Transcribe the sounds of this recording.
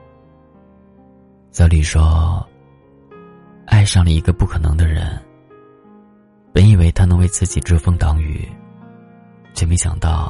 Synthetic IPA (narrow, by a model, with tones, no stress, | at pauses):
t͡sɑ˧˥li˨˩ʂwɔ˥ | a˥˧ɪʂɑ˥˩ŋlə˩i˧˥ɡə˧pu˥˩kʰɤ˨˩nɤ̰˧˥ŋd̪ə˧ɻə̰˧˥n | pə˧˥ni˨˩we˧˥ɪt̪ʰa˥nɤ˧˥ŋwe˥˧ɪt͡sɹ̩˥˩t͡ɕi˨˩ʈ͡ʂɤ˥fɤ˥˧ŋt̪ɑ˧˥ŋy̰˨˩ | t͡ɕʰjme˧˥ɕjɑ̰˨˩ŋt̪ɑ˥˩ʊ